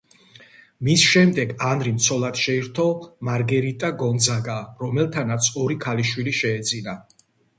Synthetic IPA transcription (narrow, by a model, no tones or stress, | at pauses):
misʃɛmd̪ɛɡanɾimt̪sʰɔlˠad̪ʃɛiɾt̪ʰɔmaɾɡɛɾit̪ʼaɡɔnd̪zaɡaɾɔmɛlˠt̪ʰanat̪sʰɔɾikʰaliʃwiliʃɛːd̪zina